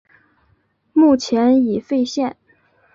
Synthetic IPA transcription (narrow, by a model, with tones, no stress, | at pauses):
mu˥˩t͡ɕʰjɛ˧˥ni˨˩fe˥˧ɪɕjɛ˥˩n